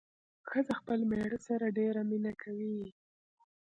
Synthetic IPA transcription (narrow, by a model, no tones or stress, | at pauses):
xəzaxpəlmeɽəsaɾaɖeɾaminakʰawi